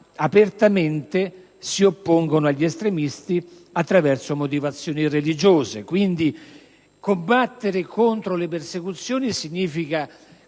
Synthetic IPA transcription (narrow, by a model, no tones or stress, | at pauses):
apert̪ament̪e | siopːoŋɡonoaʎːest̪ɾemist̪i | at̪ːɾavɛrsomot̪̬ivat̪sːjɔːnirelid͡ʒoːzekwind̪i | kombat̪ːeɾekont̪ɾolepersekut̪sːjoːnisiɲːiːfika